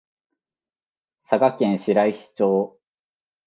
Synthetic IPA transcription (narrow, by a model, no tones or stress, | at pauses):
saɡakẽ̞ɰ̃ɕiɾaiɕi̥t͡ɕo̞ː